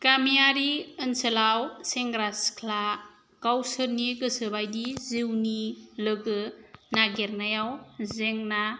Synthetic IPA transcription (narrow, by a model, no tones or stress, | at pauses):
kamijaɾiɯnsəlawseŋɡɾaskʰla | kawsɯɾniɡɯsɯbajdizɯwnilɯɡɯnaɡeɾnajawzeŋna